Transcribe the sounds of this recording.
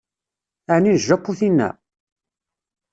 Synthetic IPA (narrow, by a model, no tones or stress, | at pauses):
aʕninʒːæqːuθinːæ̰